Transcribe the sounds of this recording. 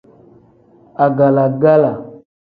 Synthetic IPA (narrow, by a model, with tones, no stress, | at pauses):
a˨ɡa˨la˨ɡa˦la˨